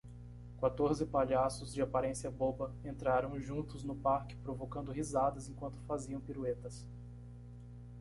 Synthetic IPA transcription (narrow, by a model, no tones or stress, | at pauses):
kwat̪oɾzɪpaʎasʊzd͡ʒɪapaɾẽsiɐbobɐẽnt̪ɾaɾɐ̃w̃ʒũnt̪ʊznʊpaɾkɪ̥pɾovokɐ̃nd̪ʊɦizad̪ɐzẽkwɐ̃nt̪ʊ̥faziɐ̃w̃piɾuet̪ɐs